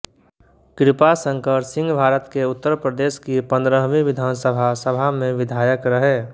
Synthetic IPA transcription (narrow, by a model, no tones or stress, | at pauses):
kɾɪpasə̃ŋkəɾsɪ̃ŋɡbʱaːɾət̪keʊt̪ːəɾpɾəd̪eːskipə̃nd̪ɾəɦʋĩʋɪd̪ʱaːnsəbʱasəbʱamẽʋɪd̪ʱaːjəkɾəɦɛː